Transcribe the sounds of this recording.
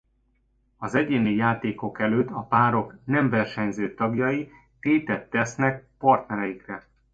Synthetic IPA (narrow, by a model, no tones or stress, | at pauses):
ɒzɛɟeːnijaːt̪eːko̞kɛløːt̪ːɒpaːɾo̞knɛɱvɛrʃɛɲzøːt̪ɒɡjɒji | t̪eːt̪ɛt̪ːɛsnɛk̚pɒrt̪nɛɾɛjikrɛ